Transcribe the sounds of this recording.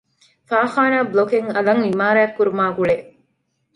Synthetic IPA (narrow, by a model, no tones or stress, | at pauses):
faːxaːnaːblokeŋɐlɐŋimaːɾaːɐkːuɾumaːɡuɭeʔ